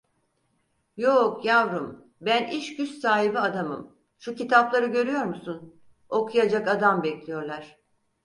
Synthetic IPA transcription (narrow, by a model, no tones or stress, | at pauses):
jokʰjavɾɯm | bæniʃɟyssaːɦibiad̪amɯm | ʃucit̪ʰaplˠaɾɯɟø̞ɾyjo̞ɾmusun | o̞kʰujad͡ʒakad̪ambɛclʲijo̞ɾlˠaɾ̥